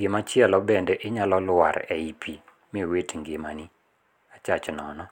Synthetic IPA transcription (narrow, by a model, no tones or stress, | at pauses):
ɡɪmat͡ʃɪɛlɔbɛndɛʔɪɲalɔlwa̰ɾɛipʰi | miwetŋɡɪmani | at͡ʃat͡ʃnɔ̰nɔ